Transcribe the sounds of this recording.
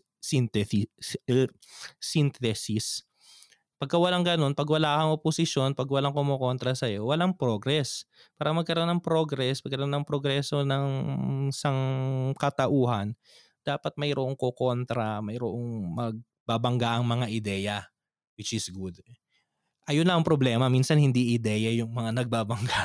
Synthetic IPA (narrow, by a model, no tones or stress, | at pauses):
sint̪ɛsi | sɪnt̪ɛsɪs | pɐɡ̚kɐwɐlaŋɡɐno̞npɐɡwɐlaːkɐŋʔoposɪʃjo̞npɐɡwɐlaŋkʊmoko̞nt̪ɾɐsɐjo̞wɐlaŋpɾo̞ɡɾɛs | paːɾɐmɐɡ̚kɐɾoʔo̞nːɐŋpɾo̞ɡɾɛsmɐɡkɐɾɐʔonːɐŋpɾoɡɾɛːso̞nɐŋɪsaŋkɐt̪ɐʔuːɦɐn | d̪̥aːpɐt̪̚mɐjɾoʔoŋkoko̞nt̪ɾɐmɐjɾoʔoŋmɐɡ̚ | baːbɐŋɡaʔɐŋmɐŋaʔɪd̪ɛːjɐ | wɪt͡ʃɪsɡud̪̚ | ʔɐjonlɐʔɐŋpɾoblɛːmɐminsɐnhɪnd̪iʔɪd̪ɛːjɐjʊŋmɐŋanɐɡ̚baːbɐŋɡa